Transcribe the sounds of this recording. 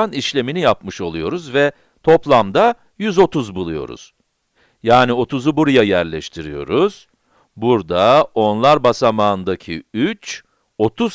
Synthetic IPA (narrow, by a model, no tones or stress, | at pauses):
aniʃlʲe̞minijapmɯʃo̞lˠujo̞ɾuzvɛ | t̪ʰo̞plˠamd̪a | jyzo̞t̪uzbulˠujo̞̰ɾṵz̥ | jaːnio̞t̪uzubuɾujajæɾlʲɛʃt̪ʰiɾijo̞̰ɾuz̥ | buɾd̪ao̞nlˠaɾbasamaɯnd̪acʰiyt͡ʃ | o̞t̪ʰuz